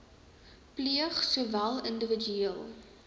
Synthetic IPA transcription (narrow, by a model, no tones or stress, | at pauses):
pliəχsuəvælˠəndəvəd͡ʒyiəlˠ